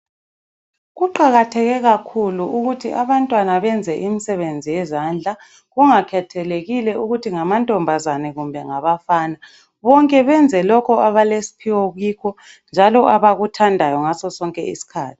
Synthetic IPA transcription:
ɣuǃaɣatʰɛɣɛɣakʰuluuɣutʰiʔaβantʼwanaβɛnd͡zʱɛʔimisɛβend͡zʱijɛzand͡ɮʱa | ɣuŋakʰɛtʰɛleɣilɛuɣutʰiŋamantʼɔmbʱazanɛɣumbʱɛŋaβafaːna | βɔŋkʼɛβɛnd͡zʱɛlɔkʰɔaβalesi̥pʰiwɔɣiːkʰɔ | nd͡ʒʱalɔʔaβaɣutʰandʱajɔŋasɔsɔŋkʼɛḭsi̥kʰa̰ːtʰi̥

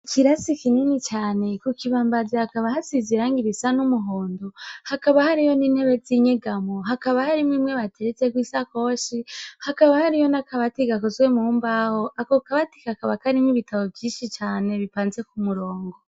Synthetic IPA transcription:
ciɾasikininit͡ʃaːne̞kukiβaːmbazehakaβahasiziɾaːŋɡiɾisanumuɦoːndohakaβahaɾijo̞niːnhe̞βeziɲeɡamoɦakaβahaɾimwimwe̞βateɾet͡sekwiːsakoʃihakaβahaɾijo̞nakaβatiɡakozɡwe̞muːmbaho̞ʔakokaβati̥kakaβakaɾiniβitʰaβo̞bvjiːnʃit͡ʃaːne̞βipaːnze̞kumuɾoːŋɡo

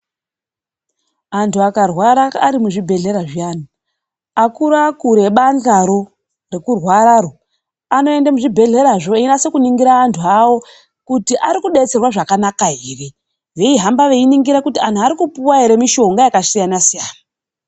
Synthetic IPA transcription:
antʰuakarwaɾaːɾimuʐibʱe̞ɮe̞ɾaʐian̤a | akuɾakuɾe̞ɓand͡ɮaɾo̞ | re̞kurwaɾaro | ano̞e̞ndamuʐibʱe̞ɮe̞ɾaʐoenase̞kuniŋɡiɾaːntʰuawo̞ | kutiʔaɾikuɗe̞t͡se̞rwaʐakanakaiːre | ʋe̞iɦambaʋe̞iniŋɡiɾakutian̤uaɾikupuwaɦeɾe̞miʃo̞ŋɡajakasijanasijaːna

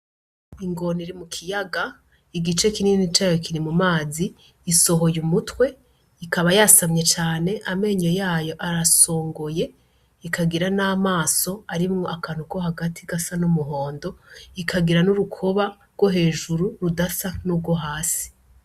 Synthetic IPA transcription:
iŋɡo̞niɾimukʰijaɡa | iɡit͡ʃe̞kininit͡ʃaːjokiɾimumaːziː | so̞ɦo̞jumutwe̞ | ikaβajasamɲe̞t͡ʃaːne̞ʔame̞ɲojaːjo̞ʔaɾaso̞ːŋɡo̞je̞ | ikaɡiɾanaːmaːso̞aɾimŋoʔakaːn̥uko̞haɡatʰiɡasanumuɦo̞ːndo̞ikʰaɡiɾanuɾukʰo̞βaɾɡwo̞ɦe̞ːʒuɾuɾudasanuːb̚ɡwo̞ɦaːsi̥

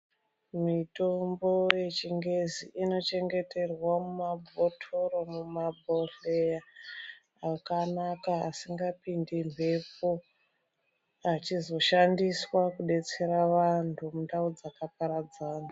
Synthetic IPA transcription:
mito̞mbo̞je̞t͡ʃiŋɡe̞ziino̞t͡ʃe̞ŋɡe̞te̞rwamumabʱo̞tʰoɾo̞mumabʱoɬeja | akanakaa̰siŋɡapindimpe̞po | at͡ʃizo̞ʃandiswakuɗe̞t͡se̞ɾaʋantʰumundaud͡zakapaɾad͡zaːna

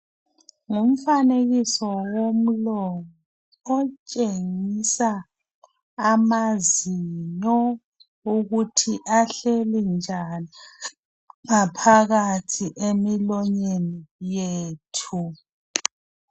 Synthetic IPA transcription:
ŋum̩faneɣisɔwom̩lɔŋɔː | t͡ʃʼeŋisa | maziɲɔ | uɣutʰiʔaɬelind͡ʒʱani | ŋapʰaɣatʰiʔemilɔɲenijeːtʰu

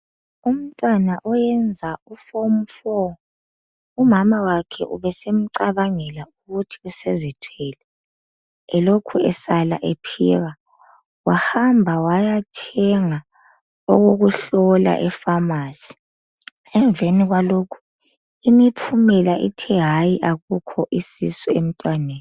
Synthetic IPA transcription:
um̩tʼwanaʔɔjɛnd͡zʱaufom̩fɔ | umamawakʰɛ̰ʔṵβɛsem̩ǀaβaŋɛlauɣutʰi̥usezitʰwɛlɛ | ɛlokʰuɛsala̰ʔepʰḭːɣa | wahambʱawajatʰɛŋa | ɔɣoɣuɬɔla̰ʔɛfamaːsi̥ | ɛɱveniɣwalokʰu̥ | imipʰumɛlaʔḭtʰɛɦajiʔaɣukʰɔʔisisuem̩tʼwaneːn

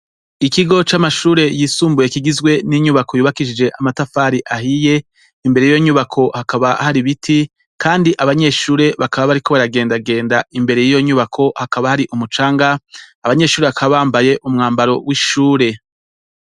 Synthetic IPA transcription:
ikiɡo̞t͡ʃamaʃuːɾe̞jiːsuːmbuje̞kiɡizɡwe̞niɲuβako̞juːβakiʃid͡ʒe̞ʔamatafaːɾiʔahije̞ | imbe̞ɾejijoɲuβakʰo̞hakaβahaɾiβitʰi | kaːndiʔaβaɲe̞ʃuːɾe̞βakaβaβaɾiko̞βaɾaɡe̞ːndaɡe̞ːndaimbe̞ɾe̞jijo̞ɲuβakʰo̞hakaβahaɾiʔumut͡ʃaːŋɡaːβaɲe̞ʃuːɾeakʰaβaβaːmbaje̞ʔumŋaːmbaɾo̞wiʃuːɾe̞

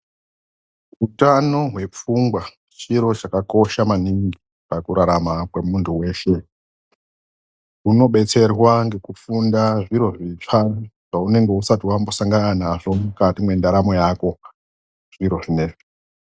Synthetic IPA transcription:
utanoɦwe̞p͡fuŋɡwa | t͡ʃiɾo̞t͡ʃakako̞ʃamaniŋɡi | pakuɾaɾamakwe̞muntʰuwe̞ːʃe̞ | uno̞ɓe̞t͡se̞rwaŋɡe̞kufundaʐiɾo̞ʐifaʐ̥aune̞ŋɡe̞usatiwambo̞saŋɡananaʐo̞mukatimwe̞ndaɾamo̞jako̞ | ʐiɾo̞ʐine̞ʐi

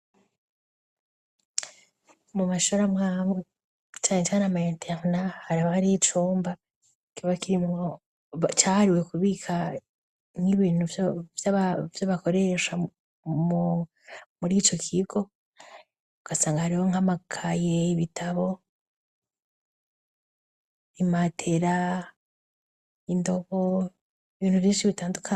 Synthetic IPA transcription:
mumaʃoɾamŋam | t͡ʃaːŋet͡ʃaːnamaentʰeʁnahaɾaβahaɾiit͡ʃuːmba | kuβakiɾimo | caːhaɾiwe̞kuβikʰa | ŋɡiβiːnhuvjavjaβako̞ɾe̞ʃa | mu | muɾiːt͡ʃo̞kʰiɡo̞ | uɡ̥asaːŋɡahaɾiwoŋamakʰajeiβitʰaβo̞ | imatʰe̞ɾa | indo̞βo | iβiːn̥huvjiːʃiβitaːndukʰa

